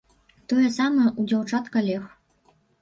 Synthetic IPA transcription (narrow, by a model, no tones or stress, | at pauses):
t̪ojɛsɑmɐʔud͡zʲawt͡ʂɑt̪kɐlʲex